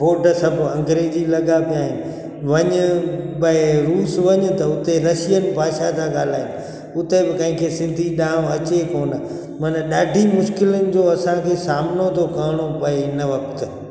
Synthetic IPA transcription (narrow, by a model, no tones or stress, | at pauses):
boːʈsɐbʱɐ̃ŋɡɾeːd͡ʑilɐɡapijaːɦɪnɪ̆ | ʋɐɲʊbɐeɾuːsʋɐɲ̆t̪ɐʊt̪eɾɐʃijənɪ̆bʱaːʃat̪ʰaɠaːl̤aːɦɪnɪ̆ | ʊt̪ebɪkɐ̃ɦɪ̃kʰesɪ̃nd̪ʱiɗãːɐt͡ɕekoːnə | mɐnəɗaːɖʱimʊʃkɪlənɪ̆d͡ʑoːɐsãkʰeːsaːmnot̪ʰokɐɽ̃opɐeɪnəʋɐk̚t̪